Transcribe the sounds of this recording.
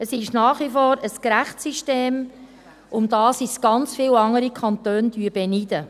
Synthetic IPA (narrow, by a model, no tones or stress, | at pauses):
əsɪʃnɑːχʋifɔːɾəskɾæχsiʃteːm | ʔʊmd̥̪ɑːsɪsɡ̥ɑnt͡sfiːwɑŋəɾikʰɑnt̪øːnd̥yːəb̥ɛnid̪ə